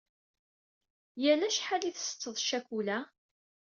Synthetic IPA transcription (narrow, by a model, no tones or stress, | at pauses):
jælæʃħaliθsə̥t͡sːəðˤʃækʷulæ